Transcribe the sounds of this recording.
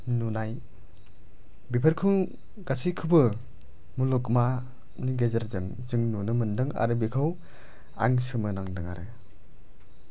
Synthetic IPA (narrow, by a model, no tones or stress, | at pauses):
nunaj | bipʰɐɾkʰuŋ | ɡasʰijkʰɯbɯ | mulɔkma | niɡezaɾzɯŋ | zɯŋnunɯmɯndɯŋa̰ɾɯbikʰaw | a̰ŋsɯmɯnaŋdɯŋa̰ɾɯ